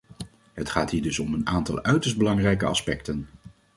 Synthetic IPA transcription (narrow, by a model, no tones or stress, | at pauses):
ɦətχaːtɦiːɹdɵsɔmənaːntɑ̰lˠœɥtəɹsd̚bəlɑŋrɛjkəɑ̰spɛktən